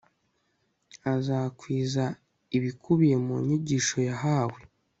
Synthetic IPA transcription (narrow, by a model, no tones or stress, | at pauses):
azakwiːza | iβikʰuβije̞muɲiɟiːʃo̞jaɦaːwe